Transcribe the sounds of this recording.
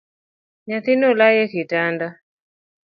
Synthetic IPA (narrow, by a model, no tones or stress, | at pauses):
ɲaθinɔlajɛkitanda